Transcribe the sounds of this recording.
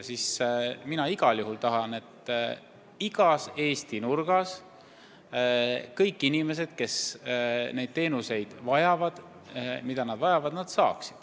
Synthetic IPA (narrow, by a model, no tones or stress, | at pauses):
sisminɑiɡ̥ɑljuɦult̪ɑɦɑne̞t̪ːˑ | iɡ̥ɑse̞ːst̪inurɡ̥ɑs | kɤjkːˑinime̞s̬e̞d̪̥̚ke̞s | ne̞jd̪̥̚t̪e̞ːnuse̞jd̪̥vɑjɑvɑd̪̥ | mid̪̥ɑnɑd̪̥vɑjɑvɑd̪̥nɑd̪̥sɑ̰ːksi̥d̪̥